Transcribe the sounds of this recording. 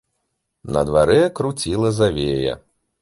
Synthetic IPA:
nɐ̰d̪vaɾɛɐkɾut͡sʲilˠɐzavʲejɐ̰

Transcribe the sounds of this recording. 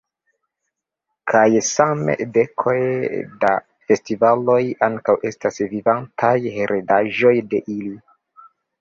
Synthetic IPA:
kʰajsamḛde̞kʰo̞jda̰ | fe̞stivalo̞jaŋkawʔe̞stasvivantʰajheɾʔedaʒo̞jde̞ʔili

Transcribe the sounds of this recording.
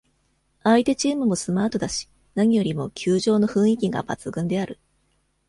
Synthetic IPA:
ait̪e̞t͡ɕiːmɯ̟mo̞sɨmaːt̪o̞d̪aɕi̥ | naɲ̟ijo̞ɾʲimo̞kʲʰɨːʑo̞ːno̞ɸɯ̟̃ɰ̃ikʲiɡa̰ba̰t͡sɨɡɯ̟̃nd̪e̞aɾɯ̟

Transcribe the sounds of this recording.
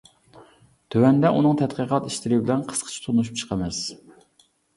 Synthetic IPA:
t̪ʰøwɛnd̪ɛʔunɨŋt̪ʰɛt̪̚qəqʰɑt̪iʃt̪ɪɾɪbɪlɛnqʰə̥sqʰə̥t͡ʃʰi̥t̪ʰonuʃ̬up̚t͡ʃʰə̥qʰəmɛs

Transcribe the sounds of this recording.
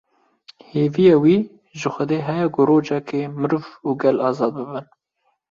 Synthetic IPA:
heːvijɑːwiː | ʒɨxʷɛd̪eːɦɛjɛɡʊɾoːd͡ʒɑkʰemɨɾvuɡɛlɑːzɑːd̪̚bɨbɨn

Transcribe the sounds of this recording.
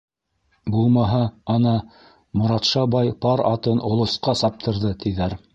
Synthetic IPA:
bulˠmɑɦɑɑnɑ | mŏɾɑt̪ʃɑbɑjpɑɾɑt̪ɤnŏlˠŏsqɑsɑp̚t̪ʰɤ̆ɾðɤt̪iðæɾ

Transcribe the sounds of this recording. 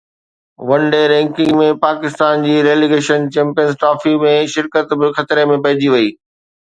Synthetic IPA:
ʋɐ̃ɳɖeɾɛ̃ːŋkɪ̃ŋɡmẽpaːkɪst̪aːnd͡ʑiːɾeːliɡeːʃənt͡ɕɛ̃ːmpijənzʈɾaːfimẽʃɪɾkət̪bɪxɐt̪ɾemẽpɐɦɪd͡ʑiʋɐiː

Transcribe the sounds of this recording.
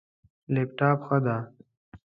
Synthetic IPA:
leːpʈaːpxəd̪aː

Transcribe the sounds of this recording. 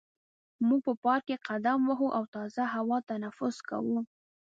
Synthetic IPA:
muɡ̚pəpɑɾkeqad̪amwaɦuʔawt̪ɑzaɦawɑt̪anafʊzka̰wu

